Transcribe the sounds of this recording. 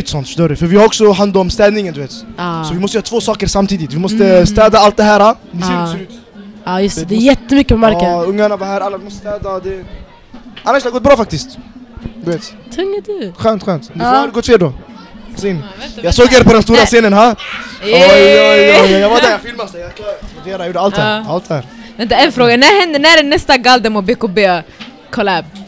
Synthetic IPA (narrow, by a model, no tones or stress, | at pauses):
ɪt̪sɔnt̪fœ̥ʂt̪oːɾəfœɾvɪhaɾɔksɔɦand̪ɔmst̪ɛːd̪nɪŋənd̪ʉveːt̪ːsɔvɪmɔst̪əjœːɾt̪ʰvoːsɑːkəɾsamt̪ʰiːd̪ɪt̪vɪmɔst̪əst̪ɛːd̪aalt̪̚d̪ɛɦæːɾha | msisɔʉt̪ | ajʉst̪ɛd̪ɛjɛt̪ːəmʏkːəpɔmaɾkəɵŋːanavaɾhæːɾalːaɪmɔst̪st̪ɛːd̪aɔd̪ɛ | ʔanːaʃd̪ɛhaɡɔt̪̚bɾɑːfakt̪ɪskt̪d̪veːt̪t̪ʰʊŋːəd̪ʉxœːnt̪xwœːnt̪dɛɛlːɪɡɔt̪feːɖɔsinjasoːɡæːɾpʰɔd̪ɛnst̪uːɾaseːnənɦaɔjujuajavad̪ɛɾjafɪlmast̪ɛjad̪eːɾajuːɖəalt̪halt̪hæːɾvɛnt̪əɛnfɾoːɡanæːɾhɛnd̪ənæːɖɛnːɛst̪aɡald̪ɛmobekobeː | kʰɔlæb